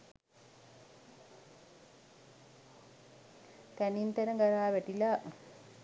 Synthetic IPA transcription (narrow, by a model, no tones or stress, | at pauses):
t̪ænint̪ænəɡaɾaːʋæʈila